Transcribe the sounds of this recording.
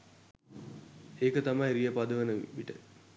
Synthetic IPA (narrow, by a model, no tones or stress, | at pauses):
eːkət̪amajɾijəpad̪əʋənəʋiʈə̰